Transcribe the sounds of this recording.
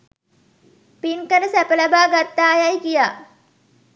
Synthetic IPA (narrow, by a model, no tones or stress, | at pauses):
pinkəɾəsæpəlabaːɡat̪ːaːjajkijaː